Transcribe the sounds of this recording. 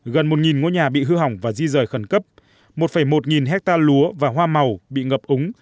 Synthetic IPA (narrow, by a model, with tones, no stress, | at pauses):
ɣə˨˩nmo˨˩t̚ŋi˨˩nŋo˧ɲaː˨˩ɓḭ˧˨ɦɨ˧ɦa˧˩wŋ͡mvaː˨˩zi˧zəː˧˩jxə˧˩nkə˦˥p̚ | mo˨˩t̚fə˧˩jmo˨˩t̚ŋi˨˩nɦɛ˦˥k̚t̪aː˧lu˨˦əvaː˨˩ɦwaː˧ma˨˩wɓḭ˧˨ŋə˨˩p̚ʔʊ˨˦ŋ͡m